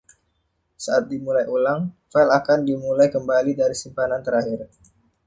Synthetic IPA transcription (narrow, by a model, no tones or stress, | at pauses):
saat̪̚dimulajʔulaŋfɛlakandimulajkəmbalidaɾisimpanant̪əɾaɦɪr